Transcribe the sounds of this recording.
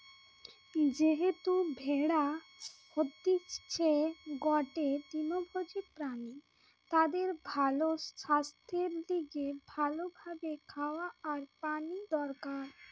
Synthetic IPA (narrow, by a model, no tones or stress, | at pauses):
d͡ʑeɦet̪ubʱeɽahod̪ːit͡ɕʰeɡɔʈet̪inobʱod͡ʑiɾpɾani | t̪ad̪eɾbʱaloʃast̪ʰeɾliɡebʱalobʱabekʰaoaːɾpanid̪ɔɾkaɾ